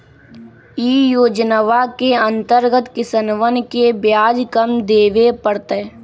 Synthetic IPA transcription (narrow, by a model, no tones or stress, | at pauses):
iːjoːd͡ʒnəʋakeə̃nt̪əɾɡət̪kɪsənʋənkebjaːd͡ʒkəmd̪eːʋepəɽt̪e